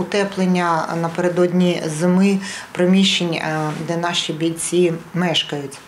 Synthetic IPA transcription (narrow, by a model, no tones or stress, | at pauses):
ʊt̪ɛplˠenʲːɐnɐpeɾed̪ɔd̪ʲnʲizɪmɪpɾemʲiʃt͡ʃenʲd̪ɛnɑʃibʲilʲt͡sʲimɛʃkɐjʊtʲ